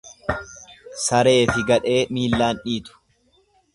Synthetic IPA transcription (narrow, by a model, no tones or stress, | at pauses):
sɐɾe̞ːfɪɡɐᶑe̞ːmiːlːaːnʔiːt̪ʊ̥